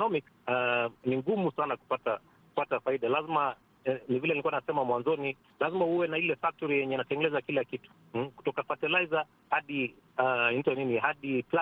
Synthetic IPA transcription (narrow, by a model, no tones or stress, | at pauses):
ɔnɔmik | aniŋɡumusanaku̥pata | kupatafaiɗalazima | nivilɛnilikuwanasɛmamwanzɔni | lazimahuwɛnailɛfak̚tɔɾijɛɲɛnatɛŋɡɛlɛzakilakitu̥ | ku̥tɔkafatɛlaiza | haɗi | aintɔninihaɗipla